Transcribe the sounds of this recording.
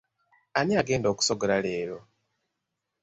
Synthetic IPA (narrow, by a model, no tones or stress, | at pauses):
aniaɡe̞ːndoːku̥soɡolale̞ːɾo̞